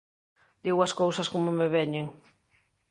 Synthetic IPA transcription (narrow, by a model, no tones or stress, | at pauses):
d̪̥iɣwaskowsaskomomeβeɲeŋ